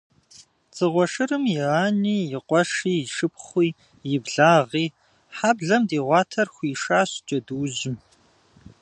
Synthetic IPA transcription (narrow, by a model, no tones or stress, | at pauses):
t͡sʼɨʁʷɔʂɨrɨmjɪaːniːjɪqʷʼɔʂiːʃɨpχʷiː | jɪbɮaːʁiː | ħaːbɮɐmdiːʁʷɑːtʰɐrxʷiːʂaːɕt͡ʃʼɐduːʑɪm